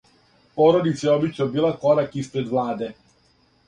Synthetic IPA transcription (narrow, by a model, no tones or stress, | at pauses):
pɔɾod̪it̪sɛɔbit͡ʃɔbilakɔɾakispɾed̪vlaːd̪e